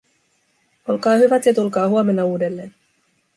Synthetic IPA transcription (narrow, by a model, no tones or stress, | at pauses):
o̞lkɑːhyʋæt̪jɑt̪ulkɑːɦuome̞nːɑuːde̞lːe̞ːn